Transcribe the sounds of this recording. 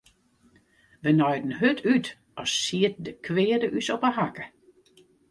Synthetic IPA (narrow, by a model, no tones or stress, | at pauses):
ʋənɔjdn̩ɦøtʰyt | ɔsːiət̚dəkʰʋɪədəʔysɔpəɦakə̥